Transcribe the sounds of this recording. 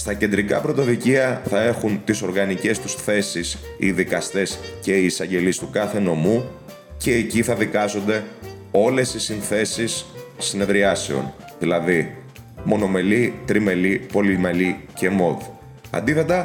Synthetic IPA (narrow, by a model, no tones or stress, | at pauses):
st̪ɐce̞nd̪ɾikɐpɾo̞t̪o̞ðiciɐθɐe̞xunt̪iso̞ɾɣɐnice̞st̪usθe̞sis | ḭðikɐst̪e̞sce̞iːsɐɲɟe̞list̪ukɐθe̞no̞mu | ce̞ːciθɐðikɐzo̞nd̪e̞ | o̞le̞sisinθe̞sisːine̞ðɾiɐse̞o̞̰n | ðilɐði | mo̞no̞me̞lit̪ɾime̞lipo̞limelice̞mo̞ði | ɐ̰nd̪iθe̞t̪ɐ